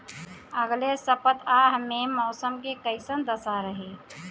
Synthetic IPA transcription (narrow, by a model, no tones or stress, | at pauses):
əɡlesəpət̪ʰaɦmemɔːsəmkekəɪsənd̪əsaɾəɦeː